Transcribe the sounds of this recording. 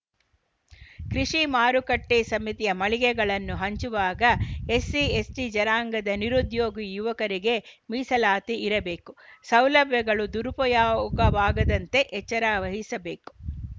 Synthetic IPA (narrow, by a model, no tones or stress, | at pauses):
kɾiʂimaːɾukɐʈːeːsɐmit̪ijɐmɐɭiɡɛɡɐɭɐnːuɦɐɲt͡ʃuʋaːɡɐesiesʈid͡ʒɐɾaːŋɡɐd̪ɐniɾud̪joːɡijuʋɐkɐɾiɡe̞miːsɐlaːt̪iiɾɐbe̞ːkusɐwlɐbʱjɐɡɐɭud̪uɾupɔjaːukɐbaːɡɐd̪ɐnt̪e̞ʔɛt͡ʃːɐɾaːʋɐɦisɐbe̞ːku̥